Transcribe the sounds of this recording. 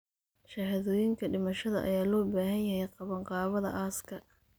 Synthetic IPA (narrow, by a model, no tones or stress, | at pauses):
ʃɐɦɐðɔːjɪŋkʰɐɖɪmɐʃɐðɐʔɐ̰jaːlɔːbaːɦɐnjɐhɛjqɑβɐɴqɑːβɐðɐ̰ʔaːskʰɐ